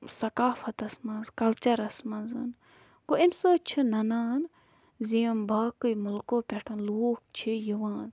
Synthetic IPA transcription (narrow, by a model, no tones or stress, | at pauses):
sɐkaːfɐt̪ɐsmɐ̃nzkɐlt͡ʃɐɾɐsmɐ̃nzɐn | ɡoinsəːt͡ʃʰinɐnaːn | ziɐmbʱɐːkɨjmʊlkoːpʲɛʈʰɐnloːk̚t͡ʃʰijiʋãːn